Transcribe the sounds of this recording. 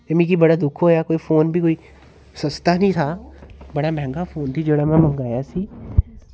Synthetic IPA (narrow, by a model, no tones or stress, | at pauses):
jemĩk̬ibɐɽad̪ʊkʰɦoːjakoːifoːnbʱikoːi | sɐst̪anĩt̪ʰabɐɽamɛ̃ŋɡafoːnt̪ʰid͡ʒoːɽamɛ̃mɐ̃ŋɡaːjasiː